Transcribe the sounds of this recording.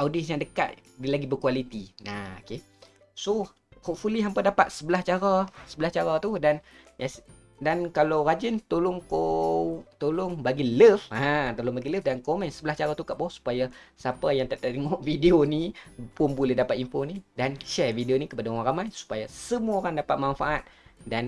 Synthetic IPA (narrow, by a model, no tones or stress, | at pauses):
awdisjaŋdəka̰t̪̚dilaɡibərkualit̪ina̰oke | so | hɔʔfuliɦampədapat̪̚səbəlaht͡ʃaɾasəbəlaht͡ʃaɾat̪udan | as | dankalawrad͡ʒənt̪olʊŋko | t̪olʊŋbaɡiləfãt̪olʊŋbaɡiləfdankomɛ̃nsəbəlaht͡ʃaɾat̪ukaʔbasu̥pajasapajaŋt̪aʔt̪at̪iŋɔʔvideonipʊnbulɛhdapat̪imfonidanʃɛrvideonikəpadaowaŋɾamajsu̥pajasəmuaoɾaŋdapat̪̚manfa̰ʔat̪̚dan